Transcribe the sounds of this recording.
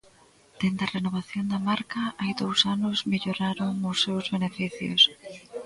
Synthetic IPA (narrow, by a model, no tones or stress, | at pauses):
d̪̥end̪ɐrenoβ̞aθjond̪amaɾkɐajd̪owsanʊzmiʎoɾaɾoŋʊsːewzβenefiθjʊ̰s